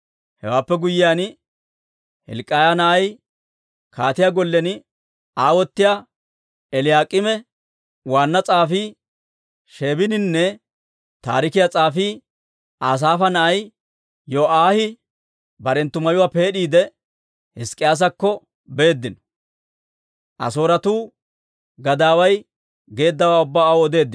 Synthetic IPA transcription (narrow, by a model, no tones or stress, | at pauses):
hɛ̰waːpːɛɡʊjːɪjaːn | hɛ̰lkʼːajanɐʔɐj | kʰaːt̪ɪjaːɡɔlːɛn | aːwɔt̪ːɪja | ɛlɪjaːkʼɪmɛ | waːnːɐt͡sʼaːfiː | ʃeːbɪnɪnːɛ | t̪a̰ːɾɪkɪjat͡sʼaːfiː | ʔaːs̬aːfɐnɐʔɐj | joʔaːhɪ | bɐɾɛnt̪ːʊmɐjʊwaːpe̞ːɗiːd̪ɛ | hɪskʼɪjaːs̬ɐkːɔ | be̞ːd̪ːɪnɔ | ʔɐ̰so̞ːɾɐt̪uː | ɡɐd̪aːwɐj | ɡe̞ːd̪ːɐwaːʊbːaːwɔd̪e̞ːd̪ːɪn